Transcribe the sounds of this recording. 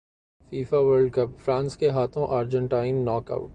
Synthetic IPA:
fiːfaʋəːɾɖ̚kɐpfɾãːnskeɦaːt̪ʰõʔaːɾd͡ʒə̃ɳʈaːɪnːɔːkɐ̰ʊ

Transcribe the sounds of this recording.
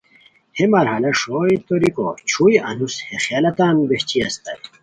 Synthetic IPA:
hemɐɾɦɐlɐʂoːjt̪oɾiko̰t͡ɕʰujɐ̰nushexaːlɐt̪aːnbeht͡ɕiɐst̪ɐj

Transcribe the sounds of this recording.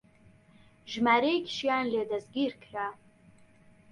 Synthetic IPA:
ʒmaːɾejkʲʃijaːnleːdazɡʲiːrkʰra

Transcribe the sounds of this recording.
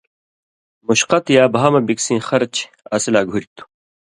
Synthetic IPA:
muɕqɐt̪jaːbʱaːmɐbiksĩːxɐɾt͡ɕ | ɐsilaːɡʱuɾʲt̪u̥

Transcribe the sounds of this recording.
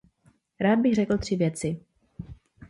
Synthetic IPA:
ɾaːd̪̚bɪxrɛkl̩t̪r̝̥ɪvjɛt͡sɪ

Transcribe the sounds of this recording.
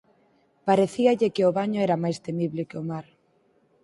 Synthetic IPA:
paɾeθiaʎɪkeʊβaɲoɛɾamajst̪emiβlɪkeomaɾ

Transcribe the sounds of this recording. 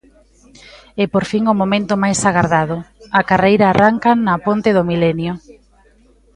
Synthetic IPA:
ɛpoɾfiŋʊmomẽnt̪ʊmajsaɣaɾðaðʊakarejɾaːrʔaŋkanɐpont̪ɪðʊmilɛnjʊ

